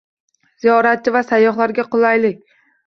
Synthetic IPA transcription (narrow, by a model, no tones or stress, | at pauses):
z̥ijɒɾat̪̚t͡ʃʰɪvasajːɒχlaɾɡʲaqʊlˠajlɪkʲ